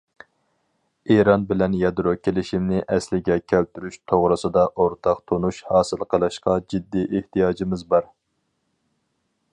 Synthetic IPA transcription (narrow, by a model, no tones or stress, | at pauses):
eɾɑnbɪlɛnjɑd̪ɾokʲʰelɪʃimnɪʔɛslɪɡʲɛkʲʰælt̪yɾyʃt̪ʰoʁɾɨsɨd̪ɑʔoɾt̪ʰɑqt̪ʰonuʃhɑːsɨlˠqʰəlˠɨʃqɑd͡ʒid̪ːiʔeht̪ijɑːd͡ʒimɪzbɑɾ